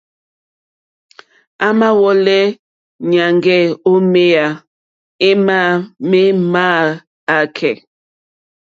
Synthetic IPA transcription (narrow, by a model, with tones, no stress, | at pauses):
a˦ma˦wɔ˦lɛ˦ | ɲa˨ŋɡɛ˦˨o˦me˦a˨ | e˦ma˦˨me˦maː˦˨ | a˨kʰɛ˨